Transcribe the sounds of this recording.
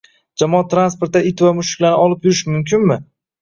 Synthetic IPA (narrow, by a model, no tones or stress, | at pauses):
d͡ʒamɒat̪ːɾanspo̞ɾt̪ːaɪt̪vamʊʃɪ̥kʲlanɪɒlˠɪpjʊɾɪʃmʊmkʲʰɪnmɪ